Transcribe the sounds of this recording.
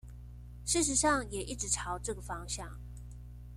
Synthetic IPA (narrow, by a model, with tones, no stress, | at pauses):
ʂɻ̩˥˩ʂ̬ɻ̩˧˥ʂɑ˥˩ŋjɛ˨˩ʔi˥˩ʈ͡ʂɻ̩˧˥ʈ͡ʂʰɑ˧˥ʊʈ͡ʂɤ˥˩ɡə˩fɑ˥ŋɕjɑ̰˥˩ŋ